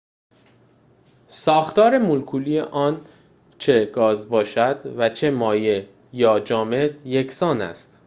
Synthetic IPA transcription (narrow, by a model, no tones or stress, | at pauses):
sɒːxt̪ɒːɾe̞mulkʰuːlijeʔɒːn | t͡ʃʰe̞ɡɒːzbɒːʃæd̪væt͡ʃʰe̞mɒːje | jɒːd͡ʒɒːme̞d̪jecʰsɒːnæ̰st̪